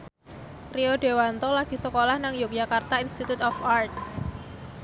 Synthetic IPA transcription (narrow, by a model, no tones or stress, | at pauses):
rioɖ̥e̤want̪ɔlaɡ̥i̤səkolahnaŋjuk̚d͡ʒ̥akart̪ainst̪it̪ut̪ɔfart̪̚